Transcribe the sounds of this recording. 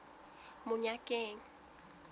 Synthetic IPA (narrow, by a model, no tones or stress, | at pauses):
mʊɲakʼeːŋi